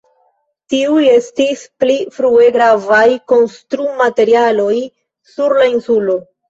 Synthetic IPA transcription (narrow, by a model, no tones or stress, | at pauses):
tiuje̞stisplifɾue̞ɡɾavajko̞nstɾumate̞ɾialo̞j | suɾlainsulo̞